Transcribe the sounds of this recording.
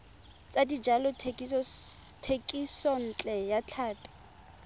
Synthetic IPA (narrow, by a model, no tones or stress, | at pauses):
t͡sʼadid͡ʒalɔ | tʰekʼisɔn̩t͡ɬʼɛjat͡ɬʰaːpʼɛ̥